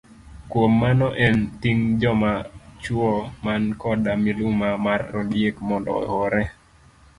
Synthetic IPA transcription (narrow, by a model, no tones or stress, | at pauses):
kwomːanɔʔɛntiŋd͡ʒɔmat͡ʃwɔmankɔdamilumamarːɔdiekmɔndɔ̰ɔ̰hɔɾɛ